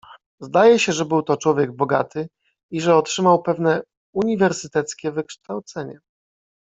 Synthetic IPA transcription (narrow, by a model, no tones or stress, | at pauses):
zd̪ajɛɕɛʐɛbɘwt̪ɔt͡ʂwɔvʲjɛɡ̚bɔɡa̰t̪ɘ | iʐɛɔtʂɘmawpɛvnɛ | uɲivɛɾsɘt̪ɛt̪skʲɛvɘkʂt̪awt̪sɛɲɛ